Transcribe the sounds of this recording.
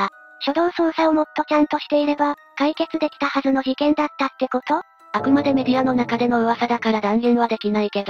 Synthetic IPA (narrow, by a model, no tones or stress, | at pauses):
aɕo̞d̪õ̞ɰ̃sõ̞ɰ̃saomo̞t̪ːo̞t͡ɕãnt̪o̞ɕi̥t̪e̞iɾe̞ba | kaike̞t͡sɨd̪e̞kʲi̥t̪ahazɨno̞çikẽ̞nd̪at̪ːat̪ːe̞ko̞t̪o̞ | akɯ̟mad̪e̞me̞d̪ʲiano̞nakad̪e̞no̞ɯ̟βasad̪akaɾad̪ãŋɡẽɰ̃β̞ad̪e̞kʲinaike̞d̪o